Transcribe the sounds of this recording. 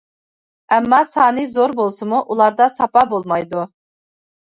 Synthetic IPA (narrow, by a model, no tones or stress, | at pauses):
ɛmːɑsɑːnɨzoɾbolˠsɨmuʔulˠɑɾd̪ɑsɑpɑbolˠmɑjd̪u